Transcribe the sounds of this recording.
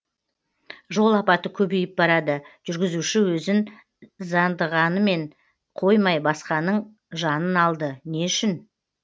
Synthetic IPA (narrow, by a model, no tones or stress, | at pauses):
ʒo̞lˠɑpɑt̪əkʲʰɵbejɪp̚bɑɾɑd̪əʒ̥ʏɾɡʲɪzuʃɪwɵzɪn | zɑnd̪əʁɑnəme̞ɴ | qʰo̞jmɑjbɑsqɑnəɴ | ʒɑnənɑlˠd̪əneʏʃɪn